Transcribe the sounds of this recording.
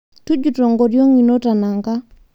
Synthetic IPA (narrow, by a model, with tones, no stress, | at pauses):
tu˦d͡ʒu˨to˨ŋɡɔ˨djɔ˦ŋi˨no˦ta˨na˨ŋka˦